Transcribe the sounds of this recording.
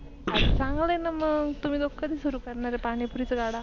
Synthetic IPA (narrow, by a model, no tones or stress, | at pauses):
t͡sãŋɡləjnaməɡt̪um̤iːd̪okːəd̪iːsuɾuːkəɾɳaɾepaɽ̃ipuɾit͡səɡaɽa